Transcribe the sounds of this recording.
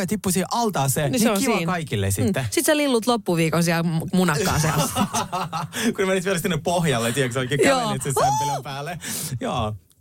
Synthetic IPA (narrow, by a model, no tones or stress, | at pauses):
ɑt̪ipːusiːʔɑlt̪ɑːseniseokiʋiːkɑikilːḛsit̪ːesit̪selilːut̪lopːuʋiːkonsiælmunɑkɑ̰ːsiæl | kunemenit̪iɛlsinːeppohjɑlːet̪iksolkːioːnt̪sesnpilompæːlːejoː